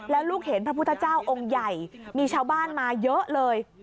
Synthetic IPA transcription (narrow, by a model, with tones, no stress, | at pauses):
lɛː˦˥wluː˥˩k̚he˩˦npʰɾa˦˥pʰu˥˩t̪ʰt͡ɕaː˥˩wʔo˧ŋja˨˩jmiː˧t͡ɕʰaː˧˥˩wbaː˥˩nmaː˧jɤ˦˥ʔlɤː˧j